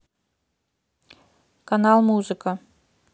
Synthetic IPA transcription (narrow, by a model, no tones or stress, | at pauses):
kanɑlˠmuzɨka